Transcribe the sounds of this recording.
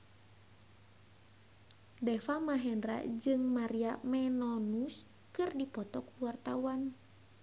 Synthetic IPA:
dɛfamaɦɛndra̰d͡ʒɨŋmaɾiamɛnɔnus | kɨrdipɔt̪ɔkuwart̪awan

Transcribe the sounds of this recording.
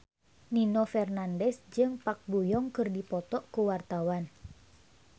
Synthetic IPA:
ninɔfɛrnandɛsd͡ʒɨŋpak̚bujɔŋkɨrdipɔt̪ɔʔkuwart̪awan

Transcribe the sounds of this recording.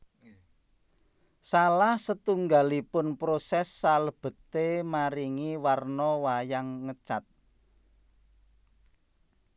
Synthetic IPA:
salahsət̪uŋɡalipʊnpɾosɛsːaləb̥ə̤t̪emaɾiŋiwarnɔwajaŋːət͡ʃat̪̚

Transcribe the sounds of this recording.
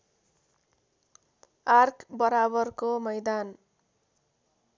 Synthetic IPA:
arkbʌɾabʌrkomʌjd̪an

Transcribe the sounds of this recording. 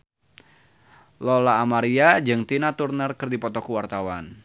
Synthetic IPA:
lɔlaːmaɾiad͡ʒɨŋt̪inat̪urnərkɨrdipɔt̪ɔkuwart̪awa̰n

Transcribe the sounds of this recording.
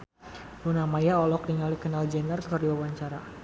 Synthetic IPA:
bunamajaɔlɔk̚diŋalikənald͡ʒɛndərkəkərdiwawaɲt͡ʃaɾa

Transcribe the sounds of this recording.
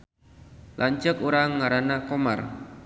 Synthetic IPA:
lʔaɲt͡ʃəkuɾaŋːaɾanakoma̰r

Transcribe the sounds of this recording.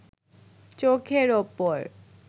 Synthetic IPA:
t͡ɕokʰeɾopoɾ

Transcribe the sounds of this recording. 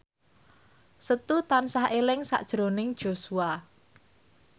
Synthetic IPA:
sət̪ut̪ansahʔelɪŋsa̰ʔd̥ʒ̥ɾonɪŋd̥ʒ̥osua

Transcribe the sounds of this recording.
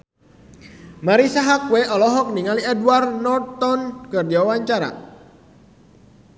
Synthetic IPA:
maɾisaɦakweʔɔlɔɦɔk̚niŋaliɛdwarnɔrt̪ɔnkərd͡ʒawawaɲt͡ʃaɾa̰

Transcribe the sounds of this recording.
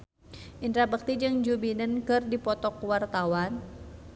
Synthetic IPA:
ʔind̪ɾabək̚t̪id͡ʒɨŋd͡ʒubinənkɨrdipɔt̪ɔkwart̪awan

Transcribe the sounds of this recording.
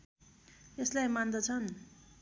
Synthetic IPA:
eslajmand̪ʌt͡sʰʌn

